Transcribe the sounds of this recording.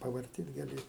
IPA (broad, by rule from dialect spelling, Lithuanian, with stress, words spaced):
pɐʋɐrʲˈtʲiːt ɡɐˈlʲɪ